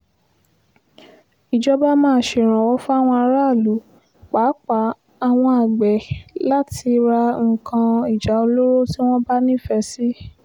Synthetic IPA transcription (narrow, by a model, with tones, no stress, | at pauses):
i˨d͡ʒɔ˦ba˦mãː˦˧˦ʃe˨ɾ̃ã˨wɔ˨˦fu˦a˦˨w̃ɔ̃˧a˧ɾa˦˨lu˨˦ | k͡pa˨˦k͡pa˨˦ | a˧w̃ɔ̃˧a˨ɡ͡bɛ˨la˦ti˧ɾa˧ŋ̩˨kʰã˧i˨d͡ʒa˨˦o˧lo˦ɾo˦ti˦w̃ɔ̃˦ba˦nĩ˦˨fɛ˧˦si˦